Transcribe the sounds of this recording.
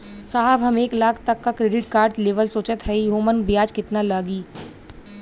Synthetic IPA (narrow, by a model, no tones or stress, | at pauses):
saːɦəbɦɐmeːklaːkʰt̪ɐkːakɾeːɖɪʈkaːɾʈleːʋəlsoːt͡ʃət̪ɦɛjɦoːmənbijaːd͡ʒkɪt̪nalaːɡiː